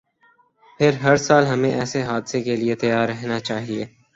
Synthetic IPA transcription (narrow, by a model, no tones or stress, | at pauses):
pʰɪɾɦɐɾsaːlɦɐmẽʔɛːseɦaːd̪sekeliet̪ɐjaːɾːɐɦnat͡ʃaːɦiḛː